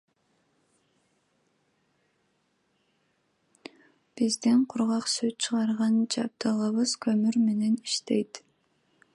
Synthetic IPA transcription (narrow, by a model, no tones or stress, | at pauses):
b̥izd̪iɴqʰʊɾʁɑqsøt̪t͡ʃʰɯʁɑɾʁɑnd͡ʒɑp̚t̪ɯʁɯβɯz̥kʰømyɾme̞ne̞ni̥ʃt̪e̞jt̪